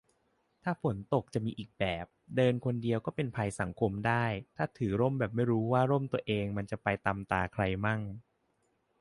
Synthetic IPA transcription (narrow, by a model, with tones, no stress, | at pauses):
t̪ʰaː˥˩fo˩˦nt̪o˨˩k̚t͡ɕa˨˩miː˧ʔiː˨˩k̚bɛː˨˩p̚dɤː˧nkʰo˧ndi˧əwkɔː˥˩pe˧npʰa˧jsa˩˦ŋkʰo˧mdaː˥˩jt̪ʰaː˥˩t̪ʰɯː˩˦ɾo˥˩mbɛː˨˩p̚ma˥˩jɾuː˦˥waː˥˩ɾo˥˩mt̪u˧əʔeː˧ŋma˧nt͡ɕa˨˩pa˧jt̪a˧mt̪aː˧kʰɾa˧jma˥˩ŋ